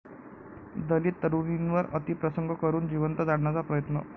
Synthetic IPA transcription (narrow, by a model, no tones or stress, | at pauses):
d̪əliːt̪ːəɾuʋinʋəɾə̰t̪ipɾəsəŋɡəkəɾuːnd͡ʑiʋənt̪əd͡zaɽɳat͡sapɾəjət̪nə